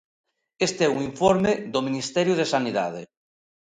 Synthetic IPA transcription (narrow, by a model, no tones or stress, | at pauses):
est̪eɛuŋiɱfoɾmed̪omĩnist̪ɛɾjoð̞esaniða̰ð̞e